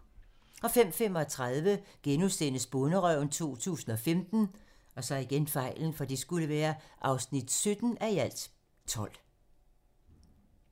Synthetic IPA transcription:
ɒ̽fem̰fem̰ɒ̽t͡sʰʁaðˠʋəɡ̥enusen̰əsb̥ɔnəʁœʊ̰nt͡sʰo̝̰ːt͡sʰṵːsn̩ɒ̽femd̥n̩ | ɒ̽sɒ̽iɡ̥enfɑ̈ɪ̰ln̩fɒ̽d̥isɡ̥uləʋæːɐʔɑ̈ʊsnid̥sød̥n̩æiæl̰d̥ | t͡sʰɒ̽l̰

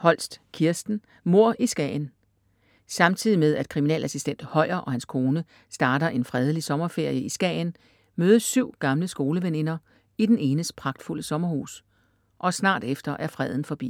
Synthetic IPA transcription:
hɒ̽l̰sd̥kʰiɐsd̥n̩ | mo̝ɐ̰ʔisɡ̥ɛ̰ːɪn | sɑ̈mt͡sʰið̰ˠimeðˠæd̥̚kʰʁiminɛ̰ːlæsisd̥en̰d̥hɒ̽ɪ̰ɐʔɒ̽hænskʰo̝ːnə | sd̥ɑ̈ːɾɐʔe̝nfʁɛð̞ˠəlisɒ̽mɐfe̝ɐ̰jəisɡ̥ɛ̰ːn | møːð̞ˠəssyʊ̰ɡ̥ɑ̈mləsɡ̥o̝ːləʋene̝nɐ | id̥ene̝ːnəspʰʁɑ̈ɡ̥d̥ful̰əsɒ̽mɐhṵːs | ʔɒ̽snɑ̰̈ːd̥efd̥ɐʔæɐfʁɛð̞ˠn̩fɒ̽b̥ḭː

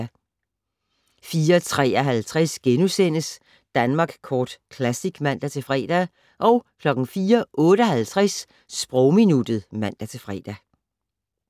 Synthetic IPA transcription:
fiːɐt͡sʰʁɛ̰ːɒɦælt͡sʰʁasɡ̥enusen̰əs | d̥ænmɑ̈ːɡ̥kʰɒːd̥kʰlæsiɡ̥mæn̰d̥æt͡sʰe̝fʁɛ̰ːd̥æ | ʔɒ̽ʊkʰlɒ̽ɡ̥n̩fiːɐʔɔ̽ːɾ̥əhælt͡sʰʁɛs | sb̥ʁɔʊminud̥ð̩ˠmæn̰d̥æt͡sʰe̝fʁɛ̰ːd̥æ

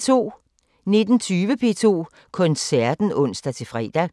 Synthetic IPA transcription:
t͡sʰo̝̰ː | ne̝d̥n̩t͡sʰyːʋəpʰe̝̰ːt͡sʰo̝̰ː | kʰɔ̽nsæɐd̥n̩ɔ̽n̰sd̥æt͡sʰe̝fʁɛ̰d̥æ

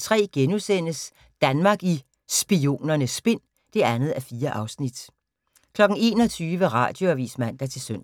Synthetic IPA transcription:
t͡sʰʁɛ̰ːɡ̥enusen̰əs | d̥ænmɑ̈ɡ̥i | sb̥io̝̰ːnɐnəsb̥e̝n̰ | d̥e̝ænð̞̩ˠæfiːɐʔɑ̈ʊsnid̥ | kʰlɒ̽ɡ̥n̩e̝̰ːnɒ̽t͡sʰyːʋəʁɑ̰̈ːd̥jo̝æʋḭːsmæn̰d̥æt͡sʰe̝lsøn̰

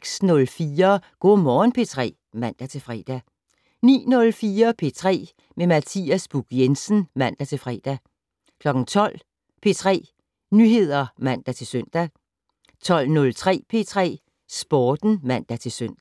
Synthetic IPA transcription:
ɡ̥snɔ̽lfiːɐɡ̥ɔ̰ːmɒːnpʰe̝t͡sʰʁɛ̰ː | mæn̰d̥æt͡sʰe̝lfʁɛːd̥æ | nḭːnɔ̽lfiːɐpʰe̝t͡sʰʁɛ̰ː | memæt͡sʰḭːæsb̥uɡ̥jensn̩mæn̰d̥æt͡sʰe̝lfʁɛːd̥æ | kʰlɒ̽ɡ̥n̩t͡sʰɒ̽l̰ | pʰe̝t͡sʰʁɛ̰ː | nyɦe̝ð̞̰ˠɐmæn̰d̥æt͡sʰe̝lsøn̰d̥æ | t͡sʰɒ̽l̰nɔ̽lt͡sʰʁɛ̰ːpʰe̝t͡sʰʁɛ̰ː | sb̥ɒːd̥n̩mæn̰d̥æt͡sʰe̝lsøn̰d̥æ

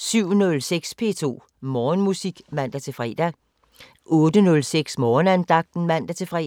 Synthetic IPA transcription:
syʊ̰nɔ̽lseɡ̥spʰe̝̰t͡sʰo̝̰ː | mɒːnmusiɡ̥mæn̰d̥æt͡sʰe̝fʁɛ̰d̥æ | ʔɔ̽ːd̥ənɔ̽lseɡ̥smɒːnænd̥ɑ̈ɡ̥̚d̥n̩mæn̰d̥æt͡sʰe̝fʁɛ

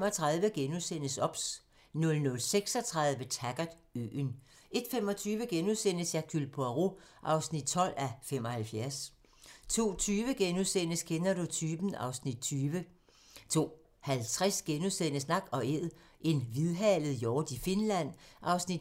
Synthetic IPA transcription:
mɒ̽t͡sʰʁɑ̈ðˠʋəɡ̥enusen̰əsɒ̽b̥s | nɔ̽lnɔ̽lseɡ̥sɒ̽t͡sʰʁɑ̈ðˠʋət͡sʰæɡ̥ɐd̥ | ø̰n | e̝d̥fem̰ɒ̽t͡sʰyːʋəɡ̥enusen̰əsjækʰylpʰoʁoʔɑ̈ʊsnid̥̚t͡sʰɒ̽l̰æfem̰ɒ̽hælfjæɐs | t͡sʰo̝̰ːt͡sʰyːʋəɡ̥enusen̰əskʰenɐdut͡sʰyːb̥n̩ɑ̈ʊsnid̥̚t͡sʰyːʋə | t͡sʰo̝̰ː | hælt͡sʰʁɛsɡ̥enusen̰əsnɑ̈ɡ̥ɒ̽e̝ð̰ˠ | ʔe̝nʋiðˠɦɛləð̩ˠjɒːd̥ife̝nlæn̰ʔɑ̈ʊsnid̥

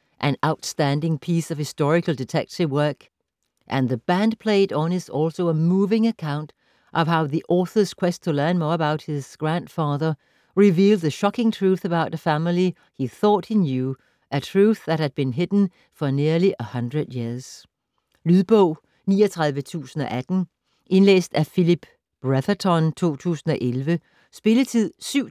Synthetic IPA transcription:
ʔɨ̃naʊtstæ̃ndɪ̃ŋpʰisʌv̥hɨstɔɹɨkəl̩ˠdɨtʰɛk̚tɨvwɜ˞k | ʔɨ̃nðɨb̥æ̃ndpʰl̥eɪɾn̩ɪtsɔlˠsoʊəmuvɪ̃ŋɨkʰãʊ̃nt | ʔʌv̥ɦaʊðiʔɔθə˞z̥kʰw̥ɛstʰəlɜ̃˞nmɔːɹəbaʊt̚hɪz̥ɡ̥ɹæ̃nd̥fɑðə˞ | ɹɪvilˠd̪̚ðɨʃɑkɪ̃ŋtʰɹ̥uθɨbaʊɾɨfæml̩ˠi | hiθɔ̰ːt̚hinjuː | ʔətʰɹuːθðæt̚hæd̥̚b̥ĩnɦɪd̥ⁿn̩ | fɒniɐliʔəhʌ̃nd̥ɹəðjɪɐs | lyðˠb̥ɔʊ̰ | nḭːʌt͡sʰʁɑ̈ðˠʋət͡sʰṵːsn̩ɒ̽ʔæd̥n̩ | ʔe̝nlḛːsd̥æfilib̥ | b̥ɹæðət͡sʰɒnt͡sʰo̝̰ːt͡sʰṵːsn̩ɒʔelʋə | sb̥e̝lət͡sʰið̰ˠsyʊ

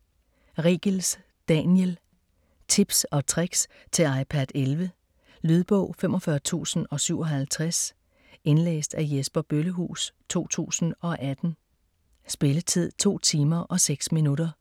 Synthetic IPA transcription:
ʁiːɡ̥əls | d̥ænjəl | t͡sʰib̥sɒ̽t͡sʰʁeɡ̥s | t͡sʰe̝ɑ̈ɪpʰæd̥elʋə | lyð̞ˠb̥ɔ̽ʊ̰femʔɒ̽fɶɐt͡sʰṵːsn̩ɒ̽syʊɒɦælt͡sʰʁas | e̝nlḛːsd̥æjesb̥ɐb̥øləɦṵːst͡sʰo̝̰ːt͡sʰṵːsn̩ɒ̽ʔæd̥n̩ | sb̥e̝lət͡sʰið̞̰ˠt͡sʰo̝̰ːt͡sʰiːmɐʔɒ̽seɡ̥sminuɾɐ

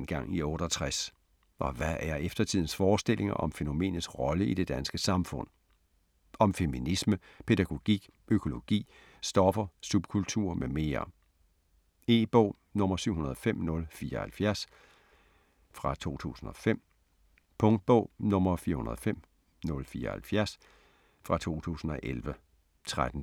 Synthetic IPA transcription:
nɡ̥ɑ̈ŋ̰iɔːɾ̥ɒt͡sʰʁas | ʔɒ̽ʋæʔæɐefd̥ɐt͡sʰið̰ˠn̩sfɒːsd̥e̝lʔe̝ŋɐʔɒ̽mfe̝no̝me̝̰ːnəsʁɒ̽ləid̥e̝d̥ænsɡ̥əsɑ̈mfɔ̽n̰ | ɒ̽mfe̝minismə | pʰe̝d̥æɡ̥o̝ɡ̥ḭː | ʔøkʰo̝lo̝ɡ̥ḭː | sd̥ɒ̽fɐsub̥̚kʰult͡sʰuɐ̰meme̝ːɐ | e̝̰ːb̥ɔʊ̰ | nɔ̽mɐsyʊ̰hunɐðˠɒfem̰nɔ̽lfiːɐhælfjæɐs | fʁɑ̈t͡sʰo̝̰ːt͡sʰṵːsn̩ɒ̽fem̰ | pʰɔ̽ŋd̥̚b̥ɔ̰ʊ̰nɔ̽mɐfiːɐhunɐðˠɒfem̰ | nɔ̽lfiːɐhælfjæɐs | fʁɑ̈t͡sʰo̝̰ːt͡sʰṵːsn̩ɒ̽ʔelʋə | t͡sʰʁad̥n̩

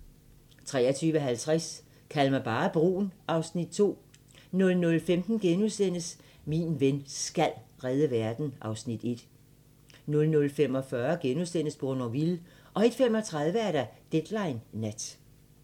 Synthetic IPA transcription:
t͡sʰʁɛ̰ːɐt͡sʰyːʋəɦælt͡sʰʁas | kʰælmæb̥ɑ̈ːb̥ʁṵːnʔɑ̈ʊsnid̥̚t͡sʰo̝̰ː | nɔ̽lnɔ̽lfemd̥n̩ɡ̥enusen̰əs | minʋensɡ̥ælʁɛð̞ˠəʋæɐd̥n̩ʔɑ̈ʊsnid̥e̝d̥ | nɔ̽lnɔ̽lfem̰ɒ̽fɶːɐɡ̥enusen̰əsb̥ʁonɒʋil | ʔɒ̽e̝d̥femɒ̽t͡sʰʁɑ̈ð̞ˠʋəæɐɾ̥æd̥ed̥lɑ̈ɪnːæd̥

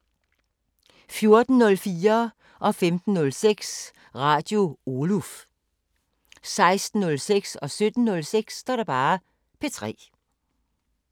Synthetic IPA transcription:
fjo̝ɐd̥n̩nɔ̽lfiːɐ | ʔɒ̽femd̥n̩ːɔ̽lseɡ̥s | ʁɑ̈ːd̥jo̝oluf | sɑ̈ɪsd̥n̩ɔ̽lseɡ̥sɒ̽sød̥n̩ːɔ̽lseɡ̥sd̥ɑ̰ːɾ̥ɑ̈b̥ɑ̈ː | pʰe̝t͡sʰʁɛ̰ː

